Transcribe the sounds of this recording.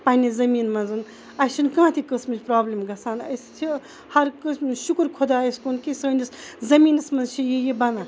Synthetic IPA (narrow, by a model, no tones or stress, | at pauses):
pɐːnʲizɐmiːnmɐnzɨn | ɐʃinkãːt̪ʰikɐsmit͡ʃʲpɾaːblʲimɡɐsaːnɐ̰st͡ʃʰi | hɐɾkəsmɨʃukɾkʰod̪aːɐskonkisəːnʲiszɐmiːnɐsmɐnzt͡ʃʰijijibɐna